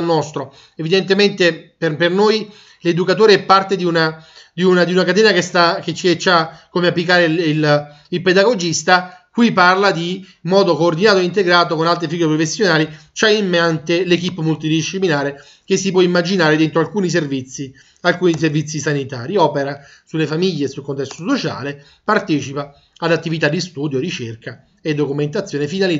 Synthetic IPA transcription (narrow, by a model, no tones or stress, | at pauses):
lnɔst̪ɾo | evid̪ent̪ement̪eperpernoj | led̪ukat̪oːɾeɛpːart̪ed̪iunad̪iunad̪iunakat̪ɛːnakest̪aket͡ʃet͡ʃːakomeapːlikaːɾeil | ilped̪aɡod͡ʒist̪akwiparlad̪i | mɔːd̪okoːrd̪inaːt̪oeint̪eɡɾaːt̪okonalt̪ɾefiɡɾepɾofesːjonaːlit͡ʃaimːant̪elek̬ipːomult̪̬id̪iʃːiplinaːɾe | k̟esːipwɔimːad͡ʒinaːɾed̪ent̪ɾoalkuːnis̬ervit̪sːi | alkuːniis̬ervit̪sːisanit̪a̰ːɾiɔːpeɾa | sulːefamiʎːesulkont̪̬ɛst̪osot͡ʃa̰ːle | part̪ɛːt͡ʃipa | ad̪at̪ːivit̪ad̪ːist̪uːd̪joɾit͡ʃerka | ed̪ːokument̪at̪sjoːnefinali